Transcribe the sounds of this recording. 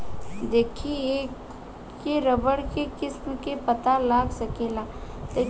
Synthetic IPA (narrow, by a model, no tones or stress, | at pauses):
d̪eːkʰieːk | keɾəbəɽkekɪsmkepɐt̪alaːɡsɐkeːlat̪e